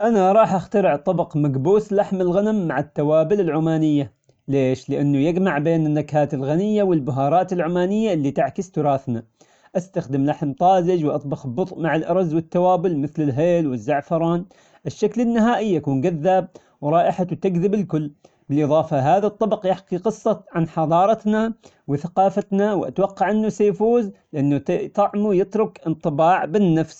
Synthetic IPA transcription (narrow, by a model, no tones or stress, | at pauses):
ʔanaɾˤɑːħʔaxt̪aɾɪʕt̪ˤɑbɑqmaɡbuːslaħmɪlɣanamːaʕɪt̪ːawaːbɪlɪlʕʊmaːnɪjːa | leːʃlɪʔanːʊjɪɡmaʕbeːnɪnːakhaːt̪ɪlɣanɪjːawɪlbʊɦɑːɾˤɑːt̪ɪlʕʊmaːnɪjːaʔɪlːiːt̪aʕkɪst̪ʊɾˤɑːθna | ʔast̪axd̪ɪmlaħmt̪ˤɑːzɪd͡ʒwʔɑt̪ˤbɑxbʊt̪ˤʔmaʕɪlʔɑɾˤɑzːwɪt̪ːawaːbʊlmɪθlɪlɦeːlwɪzːaʕfɑɾˤɑːn | ʔɪʃːaklɪnːɪɦaːʔɪjːakuːnɡaðːaːb̚ | wɾˤɑːʔɪħat̪aɡðɪbɪlkʊlː | bɪlʔɨðˤɑːfɑɦaːðat̪ˤːɑbɑqjɪħqiqɨsˤːɑʕanħɑd̪ˤɑːɾˤɑt̪na | wɪθaqɑːfat̪nawʔa̰t̪wɑqːɑʕʔɪnːusajfuːzlɪʔanːut̪ɑʕmujɪt̪ɾʊkɪnt̪ˤɨbɑːʕbɪnːafs